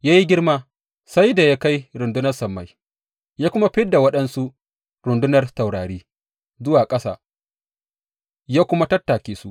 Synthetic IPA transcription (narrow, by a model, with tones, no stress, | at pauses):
jaː˦ji˦ɡʲɪ˦rmaː˦ | sa˦jda˨jaː˦ka˦jɾʊ˨ndʊ˦nɐ˦rsɐ˨mːa˦j | jaː˦kʷʊ˦ma˦ɸɪ˦dːa˨wɐ˦ɗɐ˦nsu˦ʔ | ɾʊ˨ndʊ˦nɐ˨rsa˨wɽaː˨ɽeː˦ | zʊ˦waː˨kʼɐ˦sa̰ː˨ | jaː˦kʷʊ˦ma˦tɐ˦tːaː˨kʲeː˦su˦ʔ